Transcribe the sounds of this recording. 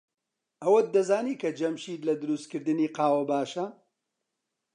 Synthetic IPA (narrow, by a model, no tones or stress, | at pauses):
ɐwɐd̪ɐzaːniːkʰɐd͡ʒɐmʃiːd̪lɐd̪ɨɾust̪̚kɨɾd̪ɨniːqaːwɐbaːʃɐ